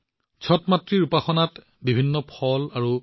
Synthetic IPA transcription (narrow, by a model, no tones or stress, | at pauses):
t͡ʃʰɔtmatɹiɹupaxɔnat | bibʱinːɔpʰɔlaɹu